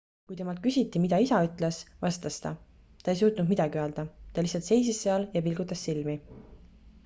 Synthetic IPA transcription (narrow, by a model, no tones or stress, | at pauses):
kujt̪e̞mɑlt̪̚kysʲit̪ːˑimid̪̥ɑisɑyt̪ːˑlesvɑst̪ɑst̪ɑ̰ | t̪ɑe̞js̬uːt̪nud̪mid̪ɑɡiøøld̪̥ɑt̪ɑlisˑɑlt̪se̞jsisːeɑljɑpilɡ̥ut̪ːˑɑsːilmi